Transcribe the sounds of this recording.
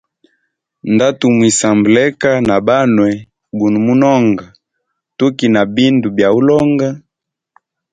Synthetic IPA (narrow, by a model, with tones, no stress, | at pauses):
nda˦tu˨mwi˨sa˨mblɛ˦ka˦na˨ba˦nwɛ˨ | bu˨nu˨mu˦nɔ˦ŋɡa˨ | tu˦ki˨na˨bi˦ndu˨bja˨u˦lɔ˦ŋɡa˦